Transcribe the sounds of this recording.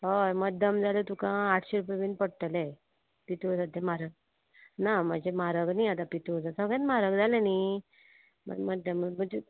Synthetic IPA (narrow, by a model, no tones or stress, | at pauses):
ɦoməd̪əmd͡zalot̪ukãːʈʰɕeɾupeʋinpəɽt̪əle | pit̪osad̪ʱemaɾəɡ̚ | nam̤əd͡ʑemaɾəɡniat̪̬apit̪od͡zasəɡẽt̪maɾəɡd͡zaleni | m̤ə̰nməd̪əmm̤əd͡ʑe